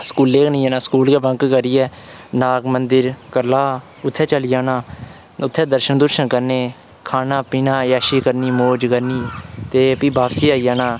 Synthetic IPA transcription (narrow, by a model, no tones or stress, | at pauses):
skuːlːeːknĩːaːnãːskuːlkeːbəŋkkəɾiːɛːnaːɡmənd̪ɪɾkəɾlaː | ʊt̪ʰːɛːt͡ʃəlɪjaːnaː | ʊt̪ʰːɛːd̪əɾʃənd̪ʊɾʃənkəɾneː | kʰaːnaːpiːnãːjaːʃiːkəɾniːmoːd͡ʒkəɾniːt̪eːpĩːbʱaːpsiːaːiːjaːnaː